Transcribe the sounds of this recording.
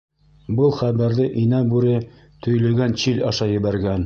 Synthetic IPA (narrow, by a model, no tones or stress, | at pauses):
bɤlˠχæβæɾðɘʔinæbʉɾɘ | t̪ɵ̆jlɵ̆ɡænt͡ɕilʲɑʃɑjɘ̆βæɾɡæn